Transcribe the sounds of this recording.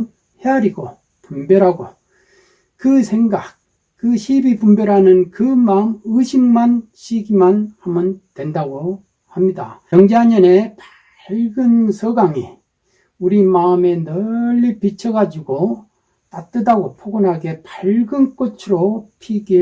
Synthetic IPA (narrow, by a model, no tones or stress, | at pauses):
heaɾiɡo | pumbjʌɾɦaɡo̰ | kɯsʰe̞ŋɡak̚ | k͈ɯɕʰibipumbjʌɾɦanɯnkɯmaɯmɯɕʰimːanɕʰiɡimanhamɯntwe̞ndaɡo | hamɲida̰jʌŋd͡ʑeɦaɲʌne̞pa | ɭɡɯnsʰʌɡaŋḭ | uɾimaɯme̞nʌʎːipit͡ɕʰʌɡad͡ʑiɡo | t͈at͈ɯdaɡopʰoɡɯnɦaɡe̞paɭɡɯnk͈ot͡ɕʰɯɾopʰiɡi